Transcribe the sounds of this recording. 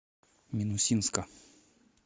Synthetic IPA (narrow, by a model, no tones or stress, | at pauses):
mʲinusʲinskɐ